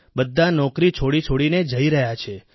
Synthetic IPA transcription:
bəd̪ʱːanɔkɾit͡ʃʰoɽit͡ʃʰoɽined͡ʒəiɾəɦjat͡ʃʰe

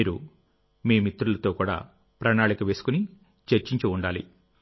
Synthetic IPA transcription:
iːɾu | miːmit̪ɾulɐt̪o̞ːkuːɽa̰ː | pɾɐnaːɭikɐʋe̞ːsu̥kuni | t͡ʃeɾt͡ʃiɲt͡ʃuuɳɖaːlḭ

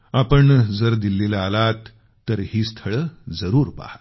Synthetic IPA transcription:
apəɳd͡zəɾd̪ilːelaːlat̪ː | əɾɦiːst̪ʰəɭəːd͡zəɾuːɾpa̰hat̪

